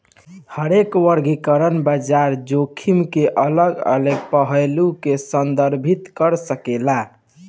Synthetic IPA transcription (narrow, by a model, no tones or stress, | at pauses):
həɾekwəɾɡʱikəɾənbəd͡ʒaɾd͡ʒokʰimkeʔələɡə̰ləɡpəɦəlukesənd̪əɾbʱit̪kəɾsəkela